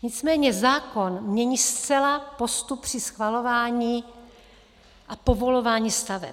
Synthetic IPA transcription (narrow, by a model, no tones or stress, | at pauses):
ɲɪt͡smɛːɲɛzaːko̞nmɲɛɲiːst͡sɛlapo̞st̪up̚pr̥ɪsxvalo̞vaːɲiː | ʔapo̞vo̞lo̞vaːɲiːst̪avɛ̰p